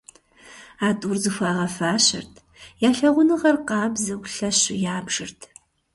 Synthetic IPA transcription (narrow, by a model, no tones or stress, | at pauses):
aːtʼuːrzɨxʷaːʁɐfaːɕɪ̰rtʰ | jaːɬɐʁʷʊnɨʁɐrqɑːbzɐɡʷɬɐɕɪjaːbʒ̥ɨrtʰ